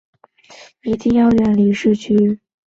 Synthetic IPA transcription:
i˨˧˥t̪i˥˧ŋjɑ˥˧ʊɥɛ˥˩nli˧˥ʂɻ̩˥˩t͡ɕʰy˥

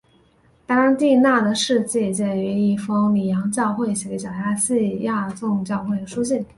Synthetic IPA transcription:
t̪ɑ˥ɻa˥nt̪i˥˧na˥˩d̪ə˩ʂɻ̩˥˧t͡ɕi˥˩t͡ɕɛ˥˩y˧˥i˥˩fɤ˥ŋli˨˩jɑ˧˥ŋt͡ɕjɑ˥˧ʊxwe˥˩ɪɕɛ˧˥t͡ɕjɑ˨˩ʊja˥ɕi˥˧˩ja˥˧t͡sʊ˥˧ŋt͡ɕjɑ˥˧ʊxwe˥˩ɪd̪ə˩ʂu˥ɕ̬i˥˩n

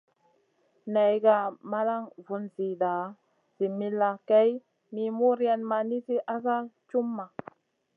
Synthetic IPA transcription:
na˨jɡa˨ma˦la˦ŋvu˨nzi˨da˨ | z̥i˨mi˦lːa˨kɛ˦j | mi˨mu˦ɾja˨nma˨ni˦si˦ʔa˦za˦t͡ʃu˦mːa˨

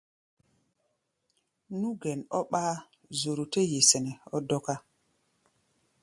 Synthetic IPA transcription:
nu˦ɡe˨nɔ˦ɓaː˦ | zo˨ɾu˨te˦je˨se˨ne˨ɔ˦dɔ˦ka˦

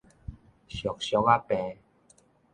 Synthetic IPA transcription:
ɕjɔ˨˩k̚ɕjɔ˧˦ka˦pɛ̃˧

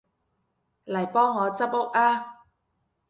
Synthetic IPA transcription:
lɐ˨˩jpɔː˥ŋːɔː˨˧t͡sɐ˥p̚ʊ˥k̚aː˧

